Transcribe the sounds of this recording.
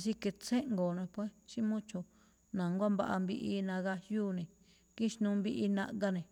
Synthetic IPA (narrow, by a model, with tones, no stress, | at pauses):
si˧ke˧t͡se˦ʔŋɡo˨nẽ˧pwe˦t͡ʃi˦mũ˦t͡ʃo˧˨ | nã˨ŋɡʷa˦mba̰˧ʔa˧mbi˧ʔi˧nã˧ɣa˧juː˦nẽ˨˧ | ki˦ʃnũ˧mbi˧ʔi˧nã̰˧ʔɡa˧nẽ˨